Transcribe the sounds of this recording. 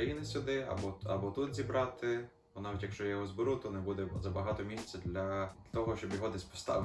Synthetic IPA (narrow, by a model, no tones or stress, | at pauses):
ɐjinɪsʲʊd̪ɪɐ̰bɔɐ̰bɔt̪ut̪zʲibɾɑt̪ɪ | bɔnɑʋʲitʲjɐkʃt͡ʃɔjɔɦɔzbɪɾut̪ɔnɛbud̪ɛzɐbɐɦɑt̪ɔmʲisʲt͡sʲɛd̪lʲɐ | t̪ɔɦɔʃt͡ʃɔbjɔɦɔd̪ɛsʲpɔ̥st̪ɑ̰ʋ